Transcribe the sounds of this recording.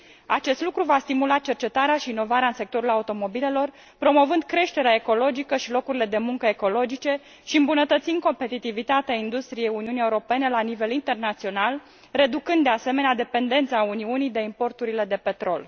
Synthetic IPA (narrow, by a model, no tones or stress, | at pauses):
at͡ʃe̞st̪lukɾuvast̪imulat̪̚t͡ʃe̞rt͡ʃe̞t̪aɾeaʃiːno̞vaɾeaɨnse̞k̚t̪o̞ɾulaut̪o̞mo̞bile̞lo̞r | pɾo̞mo̞vɨnd̪kɾe̞ʃt̪e̞ɾeae̞ko̞lo̞d͡ʒikəʃilo̞kuɾile̞d̪e̞muŋkəe̞ko̞lo̞d͡ʒit͡ʃe̞ | ʃiɨmbunət̪ət̪sin̚ko̞mpe̞t̪it̪ivit̪at̪eaind̪ust̪ɾije̞juniunije̞uɾo̞pe̞ne̞lanive̞lint̪e̞rnat̪sio̞nal | re̞d̪ukɨnd̪ːease̞me̞nead̪e̞pe̞nd̪e̞nt̪saːuniunijd̪e̞impo̞rt̪uɾile̞d̪e̞pe̞t̪ɾo̞̰l